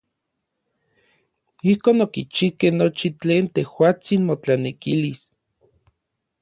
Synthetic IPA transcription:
ihkoːnokit͡ʃikehnot͡ʃit͡ɬeːnt̪ehwaːt͡sinmot͡ɬanekilis

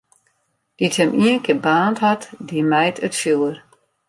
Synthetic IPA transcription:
d̥itʰhɛmʔiənkʰebaːnthatʰdimɛjtʰʼətfilˠər

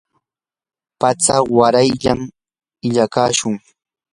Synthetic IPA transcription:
pat͡sawaɾajʎam | ɪʎakaːʃʊŋ

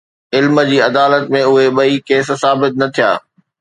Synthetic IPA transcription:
ɪlmə̆d͡ʑiːɐd̪aːlət̪mẽʊɦeɓɐikeːssaːbɪt̪̚nɐt̪ʰija̰ː

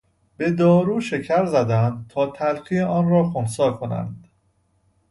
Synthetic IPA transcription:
b̥e̞d̪ɒːɾuːʃe̞cʰæɾzæd̪ænd̪̚t̪ʰɒːt̪ʰælɢijeʔɒːnrɒːxonsɒːlkʰo̞næ̰nd̪̥

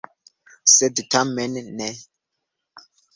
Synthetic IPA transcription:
sɛditʰamɛnnɛ

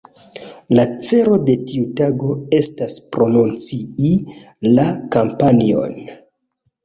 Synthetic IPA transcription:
lat͡se̞ɾo̞de̞tiutaɡo̞e̞staspɾo̞nunt͡sii | lakampanio̞̰n

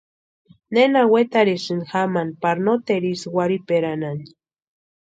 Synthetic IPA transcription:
nenawet̪aɾisɨnxamanpaɾnot̪eɾiswaɾipeɾanan

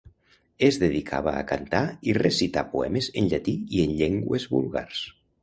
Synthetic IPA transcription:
ezðeðikʰa̰βa̰ːkant̪airesit̪apuɛmezenʎat̪iienʎeŋɡwezβṵlˠɣa̰rs

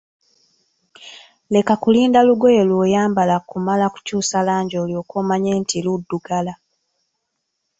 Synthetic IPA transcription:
le̞kakuliːndaluɡo̞jelwoːjaːmbalakumalaku̥cuːsalaːɲɟoːljoːkoːmaɲeːntʰiludːuɡala

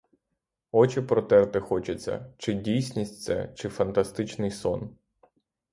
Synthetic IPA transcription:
ɔt͡ʃɪpɾɔt̪ɛrt̪ɪxɔt͡ʃɪt͡sʲːɐ̰t͡ʃɪdʲijsʲnʲisʲt̚ʲt̪sɛ̰t͡ʃɪfɐnt̪ɐst̪ɪt͡ʃnɪjsɔn

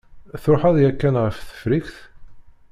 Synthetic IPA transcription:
θɾʊħɑðˤjækːænʁəfθə̥fɾiçθ

